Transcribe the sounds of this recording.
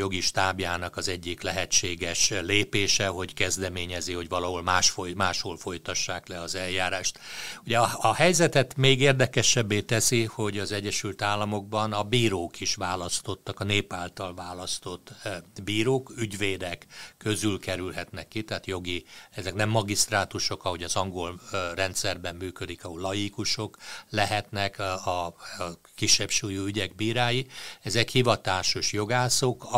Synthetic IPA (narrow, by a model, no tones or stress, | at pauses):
jo̞ɡiʃt̪aːbjaːnɒkɒzɛɟːiklɛɦɛt͡ʃːeːɡɛʃleːpeːʃɛɦo̞ɟkɛzd̪ɛmeːɲɛziho̞ɟvɒlɒɦolmaːʃfojmaːʃholfo̞jt̪ɒʃːaːklɛɒzɛljaːɾaːʃt̪uɟɛɒhɛjzɛt̪ɛt̪meːɡeːrd̪ɛkɛʃɛbːeːt̪ɛsiho̞ɟɒzɛɟːɛʃylt̪aːlːɒmo̞ɡ̚bɒnɒbiːɾoːkiʃʋaːlɒst̪o̞t̪ːɒkɒneːpaːlt̪ɒlvaːlɒst̪o̞t̪ːbiːɾoːkyɟveːd̪ɛkːøzylkɛɾylɦɛt̪nɛkːit̪ɛaːt̪jo̞ɡiɛzɛknɛmːɒɡist̪raːt̪uʃo̞kɒɦo̞ɟɒzɒŋɡo̞lrɛnt̪sɛrbɛmːyːkød̪ikɒɦolɒjikuʃo̞klɛɦɛt̪nɛkɒ | kiʃːɛbʃuːjoːyɟɛɡbiːɾaːjiɛzɛkhivɒt̪aːʃoʃjo̞ɡaːsok